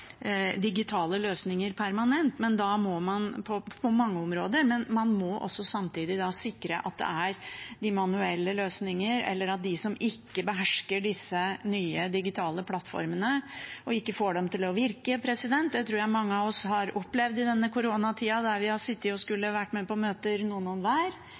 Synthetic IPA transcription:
d̪ɪɡɪt̪ʰɑːləløːsnɪŋəɾpʰæɾmɑnɛnt̪mɛnd̪ɑmɔmɑnpʰɔpʰɔmɑŋːəɔmɾoːd̪əɾmɛnmɑnmɔʔɔ̰sːɔsɑmt̪iːd̪ɪd̪ɑsɪkːɾə̰ʔɑ̰t̪̚d̪ɛ̰æɾd̪ɪmɑnʉɛlːəløːsnɪŋəɾɛ̰lːəɾɑt̪̚d̪ɪsɔmɪkːəbəɦæʂkəɖɪsːənyːəd̪ɪɡɪt̪ʰɑːləpʰlɑt̪ːfɔ̰ɾmənəɔɪkːəfoːɖɛmt̪ʰɪlɔʋɪɾkəpʰɾɛsɪd̪ɛnt̪̚d̪ɛt̪ʰɾuːɾjæɪmɑŋːəɑʋɔshɑɾɔplɛʋd̪ɪd̪ɛnːəkʊɾoːnɑt̪ʰiːɑd̪æɾʋɪhɑsɪt̪ːɪɔskʉlːəʋæʈːmɛpɔmøːt̪əɾnuːənɔnʋæːɾ

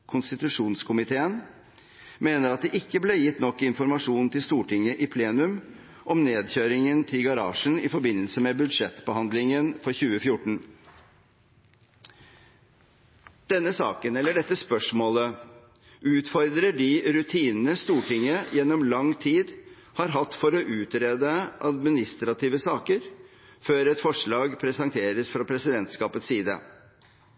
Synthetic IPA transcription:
kʰʊnst̪ɪt̪ʉʂuːnskʰʊmɪt̪ʰeːən | meːnəɾɑt̪̚d̪ɛʔɪkːəbleːjɪt̪ːnɔkːɪnfɔɾmɑʂuːnt̪ʰɪlst̪uːʈɪŋːəʔɪpʰleːnʉm | ʔɔmneːd̪çøːɾɪŋənt̪ʰɪlɡɑɾɑ̰ːʂɳ̩ɪfɔɾbɪnːəlsəmɛbʉd̪ʂɛt̪bəhɑnd̪lɪŋənfɔɾçʉːəfjʊʈɳ̩ | d̪̥ɛnːəsɑ̰ːkənɛlːəɖɛt̪ːəspœʂmoːlə | ʔʉːt̪fɔɾd̪ɾəɖɪɾʉt̪ʰiːnnəst̪uːʈɪŋːəjɛnːɔmlɑŋt̪ʰiːd̪ | hɑɾɦɑt̪ːfɔɾɔʔʉːt̪ɾeːd̪əʔɑ̰d̪mɪnɪst̪ɾɑt̪iːʋəsɑːkəɾ | føːɾɛt̪fɔʂɭɑːɡpʰɾɛsɑŋt̪ʰeːɾəsfɾɑpʰɾɛsɪd̪ɛnt̪skɑːpət̪siːd̪ə̰

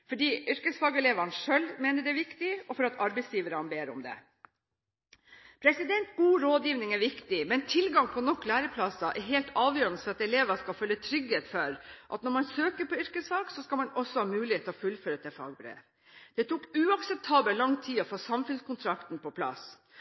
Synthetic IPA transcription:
fɔɖiːʔʏɾkəsfɑːɡɛleːʋɑnʂœlmeːnəɖ̪ɛʋɪkt̪ɪɔfɔɾɑt̪ɑɾbɛɪsjiːʋəɾɑnbeːɾʊ̰md̪ɛ̰ | pʰɾɛsɪd̪ɛnt̪ɡuːɾoːd̪jiːʋnɪŋæɾʋɪkt̪ɪmɛnt̪ʰɪlɡɑŋpʰɔnɔkːlæːɾəpʰlɑsɑʔɛɦeːlt̪ʰɑːʋjøːɾənəfɔɾɑt̪ɛleːʋəʂkɑlfœlːət̪ʰɾʏɡheːt̪fɔɾʔɑ̰t̪nɔɾmɑnsøːkəpɔʏɾkəsfɑːɡsɔskɑlmɑnɔsɔhɑːmʉːlɪheːt̪lɔfʉlːføːɾət̪ʰɛfɑ̰ːɡbɾḛː | d̪̥ɛt̪ʰuːkʉːɑksɛp̚t̪ʰɑːbəlɑŋt̪ʰiːɔfoːsɑmfʉnskʊnt̪ʰɾɑkt̪npʰɔpʰlɑ̰s

